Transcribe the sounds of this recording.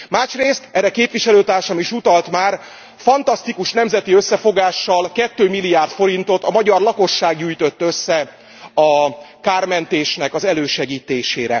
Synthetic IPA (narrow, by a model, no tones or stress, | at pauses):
maːʃreːst̪ɛrɾːɛkeːpʋiʃɛløːt̪aːrʃɒmiʃut̪ɒlt̪maːr | fɒnt̪ɒst̪ikuʃnɛmzɛt̪iøsːɛfo̞ɡaːʃːɒlkɛt̪ːøːmilːijaːrt̪fo̞ɾint̪o̞t̪ɒmɒɟɒrlɒko̞ʃːaːɡɟyːjt̪ø̞t̪ːøsːɛ | ɒkaːrmɛnt̪eːʃnɛkɒzɛløːʃɛɡiːt̪eːʃḛːɾɛ̰